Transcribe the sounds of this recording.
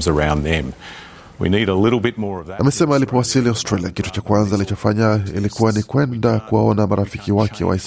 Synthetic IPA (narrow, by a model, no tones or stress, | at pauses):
zə˞ãʊ̃nðɨ̃m | wḭniɾəlɪɾl̩ˠbɪt̚mɔɹʌvðʔamɛsɛmaːlipɔwasiliaʊstɾaliakitu̥t͡ʃakwanzalit͡ʃɔfaɲaḭlikuwanikwɛndakuwaɔnamaɾafikiwakʰɛ̰wa̰is